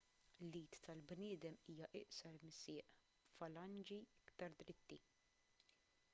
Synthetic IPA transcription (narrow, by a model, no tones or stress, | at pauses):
lːiːt̪ːɐlbnɪːd̪ɛmiːjɐʔɪ̰ʔsɐɾmɪsɪːʔ | fɐlɐnd͡ʒiɪkt̪ɐɾd̪ɾɪt̪ːi